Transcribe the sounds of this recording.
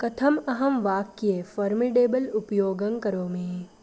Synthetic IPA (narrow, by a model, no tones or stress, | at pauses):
kɐt̪ʰɐmɐɦɐmʋaːkjeːfɐːɾmɪɖeːbəlʊpjoːɡɐ̃ŋkɐɾoːmẽː